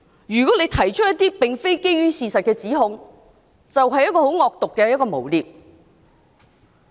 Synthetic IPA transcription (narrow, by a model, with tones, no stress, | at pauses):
jyː˨˩kɔː˨˥le˨˧jt̪ʰɐ˨˩jt͡ʃʰt̚jɐ˥t̪iː˥pɪ˨ŋfe˥jke˥jɥyː˥siː˨˧sɐ˨t̚kɛː˧t͡siː˨˥ɦʊ˧ŋ | t͡sɐ˨wɦɐ˨jɐ˥t̚kɔː˧ho˨˥wŋɔː˧k̚t̪ʊ˨kːɛː˧jɐ˥tkɔː˧mo˨˩wliː˨p̚